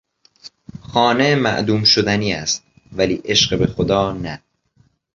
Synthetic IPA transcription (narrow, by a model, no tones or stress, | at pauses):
xɒːnemæ̰ʔd̪uːmʃod̪æniːæst̪̚ | væliːʔe̞ʃɢebexod̪ɒːnæ